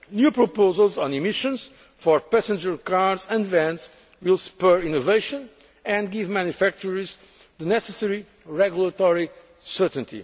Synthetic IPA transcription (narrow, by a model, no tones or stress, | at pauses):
njupɹopozəlˠzɔ̃nimiʃɔ̃nz̥ | fɔɹpæsə̃nd͡ʒəɹkaɹdzɛ̃ndvɛ̃ns | wilˠspɛɹĩnoveɪʃɔ̃n | ɨ̃nɡivmæ̃njufæk̚t͡ʃuɹiz | ðɨnɛsəsɛɹi | ɹɛɡjulˠət̪ɔɹi | sɜtə̃n̩t̪ḭ